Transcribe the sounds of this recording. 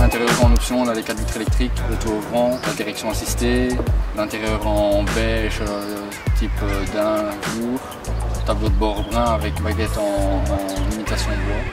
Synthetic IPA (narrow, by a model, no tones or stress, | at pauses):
lɛ̃t̪eʁjœʁɑ̃nɔpsjɔ̃lalekad̪vit̪χelɛk̚t̪χiklət̪uovʁɑ̃lad̪iʁɛksjɔ̃asist̪elɛ̃t̪eʁjœʁɑ̃bɛʃø | t̪ʰipød̪ɛ̃luʁ | t̪ablod̪əbɔʁbʁɛ̃avɛkbaɡʲɛt̪ɑ̃ | limit̪asjɔ̃bɔ